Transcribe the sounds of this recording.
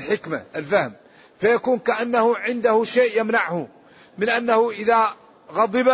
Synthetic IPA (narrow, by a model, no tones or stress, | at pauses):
ħɪkma̰ʔəlfæhəm | fæjakuːnkaʔanːahʊʕɪnd̪ahʊʃeːʔjamnaʕhʊ | mənʔænːahʊʔəða | ɣɑd̪ˤɨb